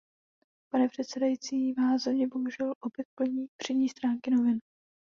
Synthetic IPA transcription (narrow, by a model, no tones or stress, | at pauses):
panɛpr̝̥ɛt̪sɛdajit͡siːvaːszɛmɲɛbo̞ɦuʒɛlʔo̞pjɛt̪̚pl̩ɲiːpr̥idɲiːst̪ɾaːŋkɪno̞vɪn